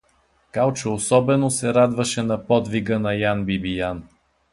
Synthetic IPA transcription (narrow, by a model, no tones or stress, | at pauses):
kalˠt͡ʃəosɔbɛnosɛɾad̪vɐʃɛnɐpɔd̪viɡənɐjanbibijan